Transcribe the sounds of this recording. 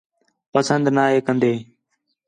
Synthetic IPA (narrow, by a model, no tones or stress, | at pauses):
pəsə̃nd̪naːeːkənd̪eː